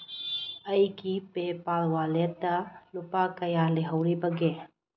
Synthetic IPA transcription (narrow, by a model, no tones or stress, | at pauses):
ɐjkipepaːlwaːlet̪alʊpakɐjaːleɦɐwɾibɐɡeː